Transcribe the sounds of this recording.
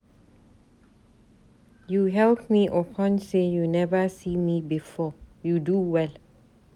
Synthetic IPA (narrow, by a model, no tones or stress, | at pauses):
juɦɛlp̚miʔəpʰɔ̃nsejunɛvəsiːmibifɔjuduwɛl